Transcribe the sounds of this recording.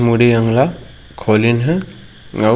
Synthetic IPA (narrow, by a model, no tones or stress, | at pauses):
muɾiaŋla | kʰɔlinɦa | ŋa